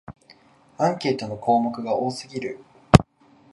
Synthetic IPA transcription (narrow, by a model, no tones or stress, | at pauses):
ãŋkʲe̞ːt̪o̞no̞kʰo̞ːmokɯ̟ɡaʔo̞ːsɨɡʲiɾɯ̟